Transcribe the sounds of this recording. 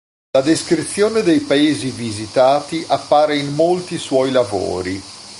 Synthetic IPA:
lad̪eskɾit̪sːjoːned̪ejpaeːzivizit̪aːt̪iʔapːaːɾeinːolt̪iswɔjlavo̰ːɾi

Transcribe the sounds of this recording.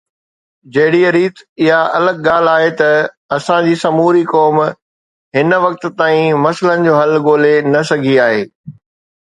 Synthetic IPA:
d͡ʑɐɦɪɽiəɾiːt̪ɪɦaʔɐləɡɠaːl̤aːɦet̪ɐ | ɐsãd͡ʑiːsɐmuːɾikɔːm | ɦɪnʋɐk̚t̪̆t̪aːĩmɐslənɪ̆d͡ʑoːɦɐlɡoːlenɐsɐɡʱiaːɦeː

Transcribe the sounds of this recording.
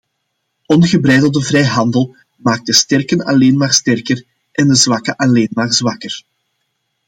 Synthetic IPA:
ɔnɣəbɾɛjdəl̩ˠdəvrɛjɦɑndəlˠ | maːk̚dəstɛrkənɑ̰leːnmaːrstɛrkər | ʔɛndəzʋɑkəʔɑleːnmaːrzʋɑkər

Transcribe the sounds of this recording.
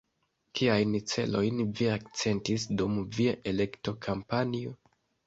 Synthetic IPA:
kʰiajnt͡se̞̰lo̞jnviakt͡se̞ntisdumviaʔele̞kto̞kʰampanio

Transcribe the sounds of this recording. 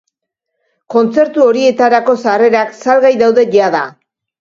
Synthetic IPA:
ko̞nt͡se̞ɾt̪uo̞ɾie̞t̪aɾako̞sare̞ɾaksalɣajðawðe̞ʝaða

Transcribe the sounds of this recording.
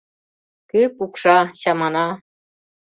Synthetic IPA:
kɘpukʂɑɕɑmɑnɑ

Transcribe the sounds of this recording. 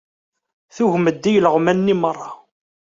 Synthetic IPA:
θuʝməd̪ːijələʁmænːimərˤːɑ

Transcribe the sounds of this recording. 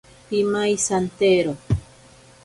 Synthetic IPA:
pimajsant̪eɾo

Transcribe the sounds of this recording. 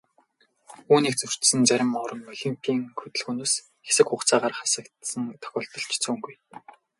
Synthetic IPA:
uːniːk̚t͡sɵr̥t̪sɘ̆nt͡sæɾʲɪ̆mːɔɾə̆nːœɮʲĭmpʰiːŋxɵt̪ɘ̆ɮxunoːs | xe̥sɘ̆kχʊːχt͡saːʁaːrχasə̆kt̪sə̆ŋt̪ʰœ̥xʲɔːɮt̪ɞ̆ɬt͡ɕt͡suːŋɡuj

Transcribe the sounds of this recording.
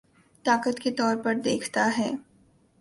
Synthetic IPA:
t̪aːkət̪ket̪ɔːɾpɐɾd̪eːkʰt̪aɦɛː

